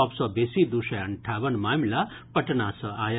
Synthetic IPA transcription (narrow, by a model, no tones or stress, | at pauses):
ɔpsɔbesid̪usɐəɳʈʰaʋənmaːmla | pəʈnasəaːj